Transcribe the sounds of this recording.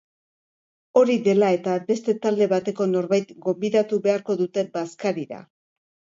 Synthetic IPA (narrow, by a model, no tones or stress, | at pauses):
o̞ɾiðe̞lae̞t̪abe̞st̪e̞t̪ald̪e̞βat̪e̞ko̞no̞ɾβajt̪ɡo̞mbiðat̪uβe̞aɾko̞ðut̪e̞baskaɾiɾa̰